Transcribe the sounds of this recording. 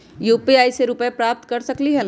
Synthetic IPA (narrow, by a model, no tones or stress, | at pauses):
juːpiaːiseɾʊpəepɾaːp̚t̪kɐɾsɐkliɦɛn